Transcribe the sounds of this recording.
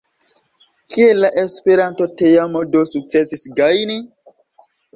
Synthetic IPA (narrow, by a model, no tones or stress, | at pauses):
kʰielːaʔespe̞ɾanto̞tejamodosuk̚t͡sesisɡajni